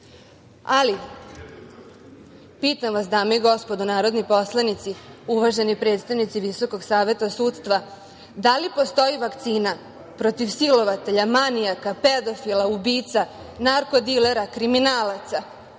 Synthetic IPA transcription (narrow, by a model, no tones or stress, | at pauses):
ali | piːt̪amʋasd̪aːmojiɡo̞spo̞d̪unaːɾo̞d̪nipo̞slˠanit̪siuʋaʒe̞nipɾe̞ːt̪st̪aʋnit̪siʋiso̞ko̞ɡsaːʋe̞t̪asuːt̪st̪ʋa | d̪alipo̞st̪o̞jiʋakt̪siːna | pɾo̞t̪iʋsilo̞ʋat̪e̞ʎamanijakaped̪ofilaubiːt̪sa | naɾko̞d̪ile̞ɾakɾiminaːlat̪sa